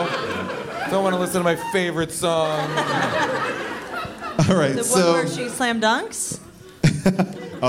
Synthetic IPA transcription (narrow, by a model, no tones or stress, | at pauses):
d̥õʊnʔwɑnəlɪsn̩tʰəmaɪfeɪvə˞ɨtsɑ̃ŋ | ɑɹaɪtsoʊʃislæ̃mdʌ̃ŋks